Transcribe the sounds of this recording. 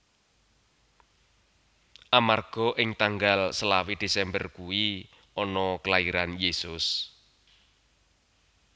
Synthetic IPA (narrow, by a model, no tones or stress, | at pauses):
ʔamarɡ̥ɔ̤ʔɪŋt̪aŋɡalsəlawid̪̥e̤sɛmbərkuwi | ɔnɔkəlaiɾanjesʊs